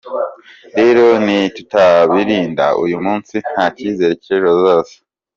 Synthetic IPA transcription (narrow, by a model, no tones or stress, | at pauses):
ɾe̞ɾo̞nitutaβiɾiːnda̰ṵjumuːnsin̥haciːzeɾeciɾozoːse̥